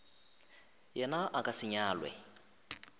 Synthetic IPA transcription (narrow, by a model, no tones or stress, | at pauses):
jɛnaʔakʼasɪɲaːlwɛ̰